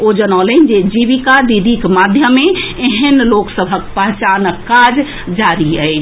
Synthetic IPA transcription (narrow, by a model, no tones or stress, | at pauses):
od͡ʒənaːlənd͡ʒed͡ʒiʋikad̪id̪ʱikmad̪ʱjəmeeɦənloksəbʱəkpəɦt͡ʃanəkːad͡ʒ | d͡ʒaɾiəɪt͡ʃʰ